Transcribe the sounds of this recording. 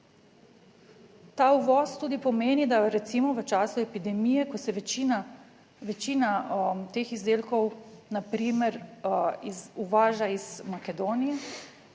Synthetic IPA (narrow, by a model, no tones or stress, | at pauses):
t̪aːuʋɔːst̪uːd̪ipɔmeːnid̪aɾɛt̪simɔʋət͡ʃaːsuɛpid̪ɛmijɛkɔsɛʋt͡ʃina | ʋɛt͡ʃiːnat̪eːxizd̪eːlkɔwnapɾiːmɛɾizuʋaːʒaiz̥makɛd̪oːnijɛ